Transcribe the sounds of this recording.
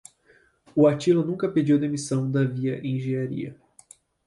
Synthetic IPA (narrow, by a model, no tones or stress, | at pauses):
ʊat͡ʃilʊnũkɐped͡ʒiwd̪emisɐ̃w̃d̪ɐviɐʔẽj̃ʒẽɲaɾḭɐ̰